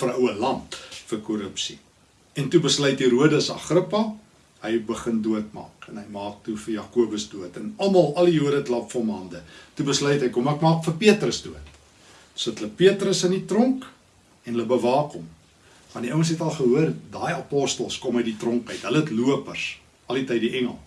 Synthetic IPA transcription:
fəɾəwəlɐntfərkɔɾəpsi | ɛntubəslœjtiɾuədəsɐ̰χrəpɐ | həjbəχənduətmɑ̰ːkɛnɦəjmɑːk̚tufəjɑːkuəbəsduətənɐlmɐlˠʔɐlijuədətlɐpfɔmɐndətubəslœjtɦəjkɔmækmɑːkfərpiətrəsduət | sətələpiətrəsənitrɔŋk | ɛnɦələbəvɑːkɔm | mɐndiʔəwəlˠsɦɛtɐlˠχəɦuərdɑːjɐpɔstəlˠskɔməjditrɔŋkœɥtɦələətluəpərs | ʔɐlitəjdiʔɛŋəlˠ

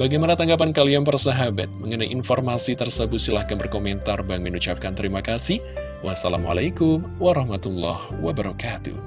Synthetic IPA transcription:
baɡajmanat̪aŋɡap̬ankalianpərsaɦaba̰t̪̚məŋənajʔinformasit̪ərsəbʊt̪silahkanbərkomɛnt̪arbaŋɪnut͡ʃap̚kant̪əɾimakasih | wʔasala̰ma̰lajkʊmwaɾɑhmat̪ulːɑ̰hwabəɾɔkat̪ṵh

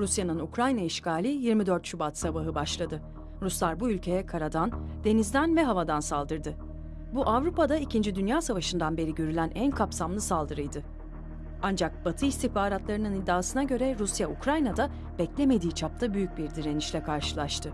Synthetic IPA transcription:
ɾusjanɯnukɾajnaiʃkʰaːlʲijiɾmid̪øɾt̪ʃubat̪sabaɦɯbaʃlˠad̪ɯ | ɾuslˠaɾbuylʲcʰe̞jɛkʰaɾad̪and̪̥e̞nizd̪ænvɛɦavad̪ansalˠd̪ɯɾd̪ɯ | buʔavɾupad̪aicind͡ʒid̪ynjaːsavaʃɯnd̪anbe̞ɾiɟø̞ɾylʲænʔænkʰapsamlˠɯsalˠd̪ɯɾɯjd̪ɯ | and͡ʒak̚b̥at̪ʰɯist̪ihpaːɾat̪lˠaɾɯnɯnid̪ːaːsɯnaɟø̞ɾɛɾusjaukɾajnad̪a | b̥ɛclʲe̞me̞d̪iːt͡ʃʰap̚t̪ʰabyjyc̚biɾd̪iɾe̞niʃlʲɛkʰaɾʃɯlˠaʃt̪ʰɯ

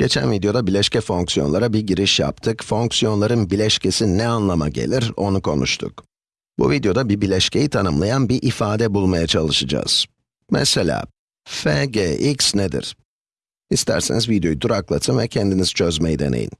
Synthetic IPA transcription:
ɟ̥e̞t͡ʃʰæ̰nvid̪ejo̞d̪abilʲɛʃcʰɛfo̞ŋksijo̞nlˠaɾabiɟiɾiʃja̰pt̪ʰɯkfo̞ŋksijo̞nlˠaɾɯnbilʲɛʃcʰe̞sinɛanlˠama̰ɟḛlʲiɾo̞nukʰo̞̰nṵʃt̪ʰṵk | bṵvid̪ejo̞d̪abibilʲɛʃcʰe̞jit̪ʰanɯmlˠajanbiʔifaːd̪ɛbulˠmajat͡ʃʰalˠɯʃɯd͡ʒa̰ːz̥ | mɛ̰se̞lʲa̰ː | feɟeʔiksned̪ḭɾ̥ | ist̪ʰæ̰ɾsenizvid̪jo̞jud̪uɾaklˠat̪ʰɯnvɛcʰɛnd̪inizit͡ʃʰø̞zmejid̪e̞̰nḛjḭn

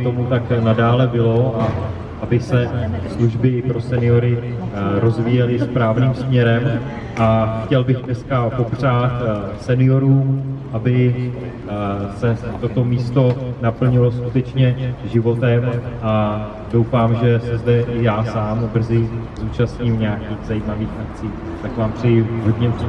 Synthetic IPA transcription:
t̪o̞mut̪aknadaːlɛbɪlo̞ʔa | ʔabɪsɛsluʒbɪpɾo̞sɛnɪoɾɪɾo̞zviːjɛlɪspɾaːvniːmsmɲɛɾɛm | ʔaxcɛlbɪɣdnɛskapo̞pr̝aːt̪sɛnɪjo̞ɾuːmʔabɪ | sɛt̪ot̪o̞miːst̪o̞napl̩ɲɪloskut̪ɛt͡ʃɲɛʒɪvo̞t̪ɛmʔa | do̞wfaːmʒɛsɛzdɛʔɪjaːsaːmbr̩zɪzuːt͡ʃasɲiːmɲaːkiːxzajimaviːxʔak̚t͡siː | t̪akvaːmsɪɦo̞dɲɛp

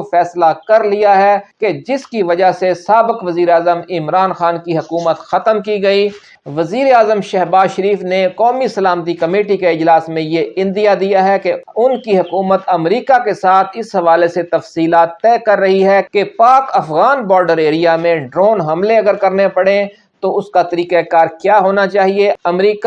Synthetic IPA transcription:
fɛːslakɐɾlijaɦɛked͡ʒɪskiʋɐd͡ʒasesaːbɪkʋɐziːɾeaːzəmɪmɾaːnxaːnkiɦɐkuːmət̪xɐt̪əmkiɡɐi | ʋɐziːɾeaːzəmʃɛɦbaːzʃəɾiːfnekɔːmisɐlaːmt̪ikɐmeːʈikeɪd͡ʒlaːsmẽjeɪ̃nd̪ijad̪ijaɦɛkeʊnkiɦɐkuːmət̪ɐmɾiːkakesaːt̪ʰɪsɦɐʋaːleset̪ɐfsiːlaːt̪ːɛːkɐɾːɐɦiɦɛkepaːkɐfɣaːnbɔːɾɖəɾeːɾijamẽɖɾoːnɦɐmleɐɡəɾkɐɾnepɐɽẽ | t̪oʊskat̪ɐɾiːkekaːɾkjaːɦoːnat͡ʃaːɦieɐmɾiːk

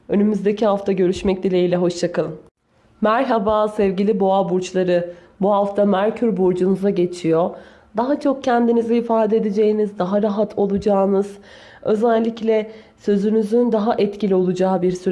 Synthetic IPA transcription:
ø̞nymyzd̪e̞cʰiɦaft̪ʰaɟøɾyʃmɛc̚d̪ilʲeilʲɛɦo̞ʃt͡ʃʰakʰalˠɯm | mæɾɦabaːsɛvɟilʲiboabuɾt͡ʃlˠaɾɯ | buɦaft̪ʰamæɾcʰyɾbuɾd͡ʒunuzaɟe̞t͡ʃʰijo̞ | d̪aɦat͡ʃʰo̞k̚cʰɛnd̪inizɛifaːd̪ɛd̪ed͡ʒe̞jinizd̪aɦaɾaɦat̪ʰo̞lˠud͡ʒaːnɯz̥ | ø̞̰zælʲːiclʲɛ | sø̞zynyzynd̪aɦaʔɛt̪cilʲio̞lˠud͡ʒaːɯbiɾsyɾ

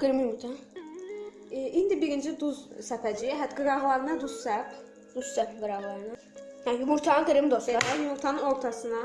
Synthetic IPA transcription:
ɡ̥ɯɾmimut̪ʰa | ʔind̪ibiɾind͡ʒid̪uzsɛpʰæd͡ʒiɦæt̪ɡɯɾaɦlˠaɾɯnad̪ussæp | d̪̥ussɛpɡɯɾahlˠaɾɯna | janimuɾt̪ʰaɡɯɾɯmd̪osead̪ɛmuɾt̪ʰanɯnoɾt̪ʰasɯna

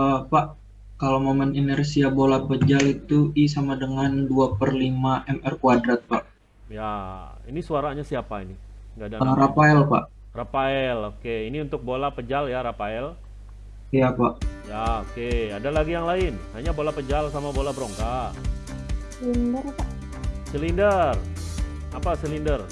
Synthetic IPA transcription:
əpaʔ | kalomoməninɛrsiabolapəd͡ʒalit̪uʔis̬amadəŋanduapərlimaʔɛmɛrkuadɾat̪̚pa̰ʔ | jainisuaɾaɲasiapainiŋɡadaaɾapaɛlpa̰ʔ | rapaɛlokeiniunt̪ʊk̚bolapəd͡ʒaljaɾapaɛl | siapaʔjaokeadalaɡijaŋlaɪnhaɲabolapəd͡ʒalsamabolabəɾoŋka | səlindərpaʔ | səlindər | apasəlindər

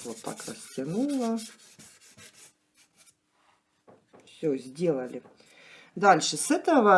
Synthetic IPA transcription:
ʋot̪t̪ɑ̰krɐ̰sʲtʲɐnulˠɐ | fsʲozʲdʲelˠɐlʲɪ | d̪ɑlʲʂɨsɛt̪ɐʋɐ

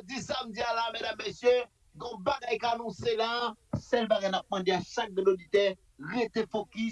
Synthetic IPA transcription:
d͡zisamd͡zialamedamːesjø | ɡɔ̃baɡajkanɔ̃selasɛlbaɡajnap̚mãd̪eaʃak̚dɛ̃dodit̪ɛ | ʁet̪efoki

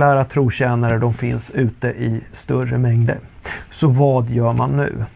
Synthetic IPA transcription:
æːɾat̪ʰɾuːɕɛːnaɾəɖ̪ɔmfɪnsʉ̟ːt̪əʔɪst̪ɵrəmɛŋd̪ə̰ɾsɔvɑːd̪jœːmanːʉ̟̰ː

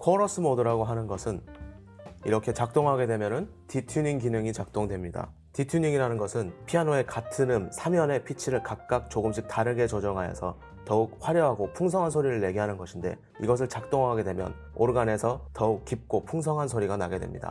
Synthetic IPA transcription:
kʰʌɾʌs͈ʰɯmʌdɯɾaɡoɦanɯnɡʌsʰɯn | iɾʌkʰe̞t͡ɕak̚t͈oŋɦaɡe̞dwemjʌnɯn | titʰuɲiŋkinɯŋit͡ɕak̚t͈oŋdwe̞mɲida̰ | titʰuɲiŋiɾanɯnɡʌsʰɯnpʰianoe̞katʰɯnɯmsʰamjʌne̞pʰit͡ɕʰiɾɯɭkak̚k͈ak̚t͡ɕoɡɯmɕ̬ʰik̚taɾɯɡe̞t͡ɕod͡ʑʌŋɦajʌ̰sʰʌ | tʌuk̚ɸwaɾjʌɦaɡopʰuŋsʰʌŋɦansʰoɾiɾɯɭːe̞ɡiɦanɯnɡʌɕʰinde̞̰ | ḭɡʌs̬ʰɯɭt͡ɕak̚t͈oŋɦaɡe̞dwe̞mjʌ̰n | oɾɡane̞sʰʌtʌuk̚k͈ip̚k͈opʰuŋs̬ʰʌŋɦansʰoɾiɡanaɡe̞dwe̞̰mɲḭda̰

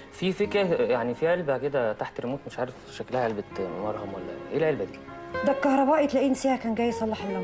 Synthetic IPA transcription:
fifekɾæjaʕnifiʕelbæked̪æt̪aħt̪ɾemuːt̪meʃʕaːɾef | ʃæklæhæʕelbet̪mɑɾˤhɑmwælːæ̰ʔelʕelbæd̪iːd̪ækɑhɾˤɑbæːʔet̪læʔinsiːhækæːnɡæːjsˤɑlˤːɑħelːɑm

